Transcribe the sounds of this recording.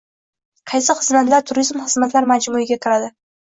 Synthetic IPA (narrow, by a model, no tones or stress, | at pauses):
qʰɑjsɪχɨzmat̪laɾt̪ʰʊɾizmχɨzmat̪laɾmad͡ʒmuɪɡʲakʲʰɪɾad̪ɪ